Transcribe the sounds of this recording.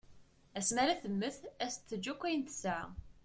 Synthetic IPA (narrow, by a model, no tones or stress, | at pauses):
æsmæɾæθəmːəθæst̪ːəd͡ʒːækʷːæjənt̪saʕ